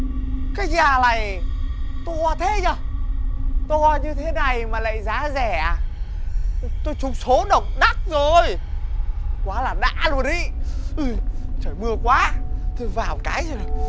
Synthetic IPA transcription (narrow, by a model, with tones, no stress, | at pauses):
kaː˨˦jzaː˨˩la˨˩j | t̪o˧a˧t̪ʰe˨˦zaː˨˧˩ | t̪o˧ɲɨ˧t̪ʰe˨˦na˨˩jmaː˨˩la̰ː˧˨jzaː˨˦zɛ˧˩ʔaː˨˩ | t̪o˧jt͡ɕʊ˨˦ŋ͡mso˨˦ɗə˨˩wk͡p̚ɗa˦˥t̚zo˨˩j | kwaː˨˦laː˨˩ɗa̰ː˧˥lu˧˩ə˨nɗḭ˧˨ʔɨ˧˩jt͡ɕəː˧˩jmɨ˨˩əkwaː˨˦t̪ʰo˧˩jvaː˨˩wkaː˨˦jzo˨˩ɗ